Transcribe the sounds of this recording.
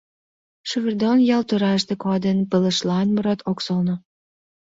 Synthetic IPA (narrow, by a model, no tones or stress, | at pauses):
ʃuβərd̪onjɑlt̪oɾɑʃt̪ekɑd̪enpələ̆ʃlɑnmoɾot̪oksolno